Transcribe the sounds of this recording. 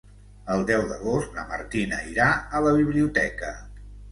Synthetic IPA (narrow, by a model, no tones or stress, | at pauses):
əlˠd̪ɛwðəɣ̞ost̪nə̰mə̰ɾt̪inə̰iɾaələβiβ̞liut̪ɛkə